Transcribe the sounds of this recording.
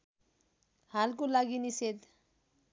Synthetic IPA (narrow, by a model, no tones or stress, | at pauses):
halkolaɡinised̪